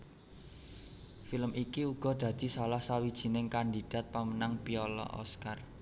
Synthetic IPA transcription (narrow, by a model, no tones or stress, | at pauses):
filəmikiuɡ̥ɔ̤d̪̥ä̤d̪̥i̤salahsawid̥ʒ̥i̤nɪŋkand̪id̪̥a̤t̪̚pamənaŋpiɔlɔ̰ʔɔ̰skar